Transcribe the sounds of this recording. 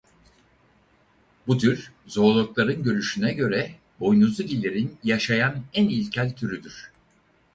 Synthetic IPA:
but̪ʰyɾzo̞ɾlˠuklˠaɾɯnɟø̞ɾyʃynɛɟø̞ɾɛ | bo̞jnuzuɟilʲːeɾinjaʃajanænilʲcʰælʲt̪ʰyɾyd̪yɾ̝̥

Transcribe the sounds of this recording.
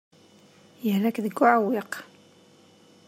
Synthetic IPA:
jəhlækðəɡːʊʕawɪq

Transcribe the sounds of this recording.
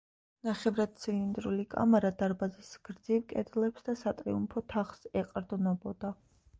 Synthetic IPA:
naχɛvɾad̪̥̚t̪sʰilind̪ɾulikʼa̰maɾad̪aɾbazisɡ̥ɾd̪zivkʼɛd̪lɛpsd̪asat̪ʼɾḭumpʰɔt̪ʰaχsɛqʼɾd̪nɔbɔd̪̥a

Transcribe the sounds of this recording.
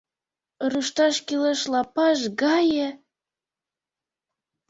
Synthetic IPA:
ruʃt̪ɑʃkileʃlɑpɑʃɡɑjə̆

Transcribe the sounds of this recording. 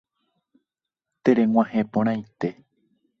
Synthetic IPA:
t̪eɾẽŋʷãhẽpõɾ̃ãit̪e̞

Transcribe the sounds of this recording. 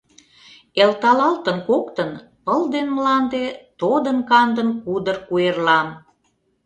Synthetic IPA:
elt̪ɑlɑlt̪ənkokt̪ən | pəld̪enmlɑnd̪et̪od̪ənkɑnd̪ənkud̪ərkuerlɑm

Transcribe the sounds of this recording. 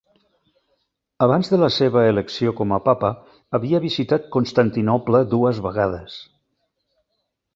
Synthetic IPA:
əβanzðələseβəeləksiokɔməpapəː | βiəβizit̪at̪̚konst̪ant̪inɔpləðuəzβəɣaðəs

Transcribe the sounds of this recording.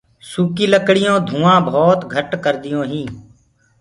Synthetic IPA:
suːkiːləkɽɪjõːd̪ʱũːãːbɔːt̪ɡʱəʈkəɾd̪ɪjõːɦĩː

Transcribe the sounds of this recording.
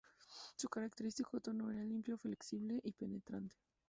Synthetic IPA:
sukaɾak̚t̪e̞ɾist̪ikot̪oɾnoeɾalimpjofle̞ksiβle̞ʔipenet̪ɾant̪e̥

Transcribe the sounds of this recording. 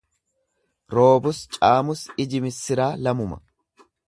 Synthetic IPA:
ɾo̞ːbʊst͡ʃʼaːmʊsɪd͡ʒɪmɪsːɪɾaːlɐmʊmɐ̥̰

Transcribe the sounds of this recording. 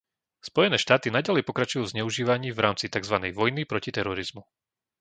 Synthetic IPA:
spɔjɛnɛːʃt̪aːt̪inaɟalɛjpɔkɾat͡ʃujuːvzɲɛuʒiːʋaɲiːvɾaːmt͡sit̪aɡzʋanɛjʋɔjnipɾɔcit̪ɛɾɔɾizmu

